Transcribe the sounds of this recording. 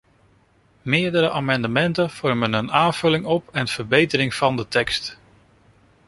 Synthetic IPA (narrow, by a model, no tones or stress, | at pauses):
mɪːɹdəɾəʔaːmɑndəmɛntənv̥ɔɹmənənaːnv̥ɵlɪŋɔpɛnv̥əɹbejtəɾɪŋv̥ɑndətɛkst